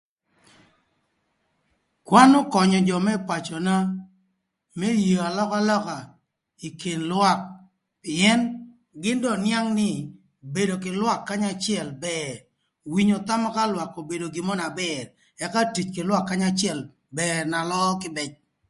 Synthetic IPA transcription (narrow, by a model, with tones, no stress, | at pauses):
kwa˦nʊ˦kɔ˨ɲɔ˨d͡ʒɔ˨mɛ˦pa˨t͡ʃɔ˨na˦ | me˦jia˨lɔ˦ka˦lɔ˦ka˨ | i˨ke˨nlwa˦k̚ | pɪ˨ɛ˦n | ɡɪ˦ndɔ˦˨nja˦ŋnɪ˦ | be˨do˨k̬ɪ˨lwa˦kːa˦ɲa˦t͡ʃɪɛ˨lbɛɾ | wi˦ɲo˨t̪a˦mɔ˦ka˦lwa˨kːo˨be˨do˨ɡɪ˨mɔ˦na˨bɛr | ɛ˦ka˦ti˨t͡ʃkɪ˨lwa˦kːa˦ɲa˦t͡ʃɪɛ˨l | bɛrna˨lɔ˦kɪ˦bɛ˨t͡ʃ̚